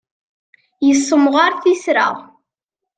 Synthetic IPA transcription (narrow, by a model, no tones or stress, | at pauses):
jəsːəmʁaɾθisɾa̰ʁ